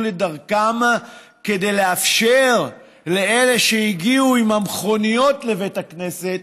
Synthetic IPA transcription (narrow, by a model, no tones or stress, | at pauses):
le̞daʁkam | ke̞de̞jle̞afʃe̞ʁ | le̞e̞le̞ʃeiɡiuimamχo̞nijo̞tle̞ve̞jtakne̞se̞t̚